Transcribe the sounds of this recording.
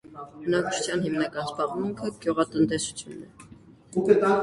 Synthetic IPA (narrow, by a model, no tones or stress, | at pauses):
bənɑk̚t͡ʃʰu̥t͡sʰjɑnhimnɑkɑnsbɑʁmuŋkʰəɡ̥juʁɑt̪ənt̪ɛsu̥t͡sʰjunɛ | ukət̪ɑ